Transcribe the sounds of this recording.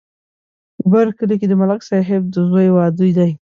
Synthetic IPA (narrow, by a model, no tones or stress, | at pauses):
pəbaɾkəliked̪əmalaksɑɦɪb̚d̪əɣəjwɑd̪ujd̪aj